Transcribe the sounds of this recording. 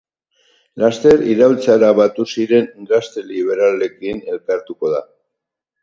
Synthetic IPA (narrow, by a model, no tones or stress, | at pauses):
last̪e̞ɾiɾawlt͡saɾaβat̪usiɾe̞nɡɾast̪e̞liβ̞e̞ɾale̞kine̞lkaɾt̪uko̞ða